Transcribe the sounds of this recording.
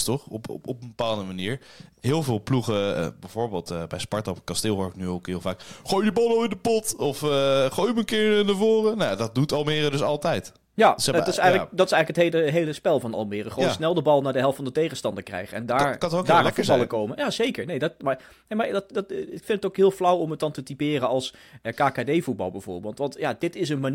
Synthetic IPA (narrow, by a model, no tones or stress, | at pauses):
stɔχɔpɔpəmbəpaːlˠəndəmaniːɹɦɪːlˠvɪːlˠpluχə̰bɛjvoːɹbeːlˠtbɛjspɑɹtɔpkɑstɪːlɦoɹɪknyowkhɪlˠvaːkχojdibɑlˠowɪndəpɔtɔfχojmənkɪːɹnavoːrənajadɔt̚dutɑlˠmɪːrədɵsɑlˠtɛjt | jadtɪsɛjldɑtɪsɛjχləkətɦeləɦejləspɛlˠvɑnɑ̰lˠmɪːrəχəʋoːnsnɛlˠdəbɑlˠnaːɹdəɦɛlˠftfɑndətejχənstɑndəɹkrɛ̰jχəɛ̰ndaɹdaːfɑlˠəkowməjaːzejkəɹnejdɔtmaɹ | nejmaɹddtɪkfɪntətokɦɪːlˠflawɔmət̚dɑntətipɪːrəɑlˠsəkaːkaːdejvut̚bɑ̰lˠbɛjvʊ̰ːɹbeːlˠtʋɑntjadɪtɪs̬ənman